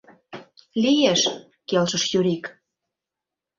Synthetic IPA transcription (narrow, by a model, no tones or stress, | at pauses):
lijeʃ | kelʃəʃjyɾik